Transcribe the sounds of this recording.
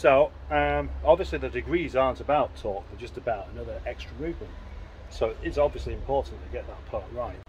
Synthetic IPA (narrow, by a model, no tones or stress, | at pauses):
soʊʌ̃mɑbviəsliðədɨɡɹiːzɑɹntəbaʊtʰɔˑk̚ðəd͡ʒʌstəbaʊɾənʌðə˞ʔɛkstɹ̥əmʉːvmə̃nt̚ | soʊɪtsɑbviəsliɨ̃mpʰɔɹʔn̩tʰəɡɛʔ̪̚ðət̚pʰɑˑɹaɪt̚